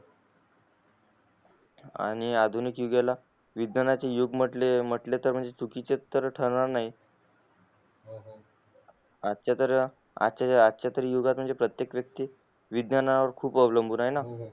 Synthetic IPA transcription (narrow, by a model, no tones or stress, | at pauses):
a̰ɽ̃iad̪ʱunikjuɡala | ʋid̪nanat͡ɕejuɡm̤əʈlem̤əʈlet̪əɾm̤əɳd͡zet͡sukit͡ɕet̪ːəɾʈʰəɾɳaɾnaɦi | at̪t͡ɕat̪əɾə | a̰t͡ɕaatːt͡ɕjat̪əɾiːjuɡat̪m̤əɳd͡zepɾət̪jekʋjək̚t̪iː | ʋid̪nanaʋəɾkʰuːpəʋləmbʱuːnaɦena